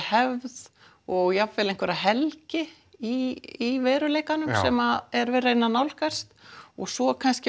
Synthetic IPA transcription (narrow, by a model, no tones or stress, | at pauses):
hɛvð | ɔɣjavfɛːlejŋkvɛɾaɦɛlcɪ | iivɛːɾʏleːjkanʏmsɛmaɛɾvɛːɾaenːanawlhkar̥st̪ɔɣsɔkʰanscɪ